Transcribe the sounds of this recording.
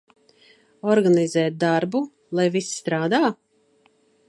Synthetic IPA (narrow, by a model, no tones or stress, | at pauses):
ɔɾɡanizɛːt̪̚d̪aɾbu | lˠajvisst̪ɾaːd̪aː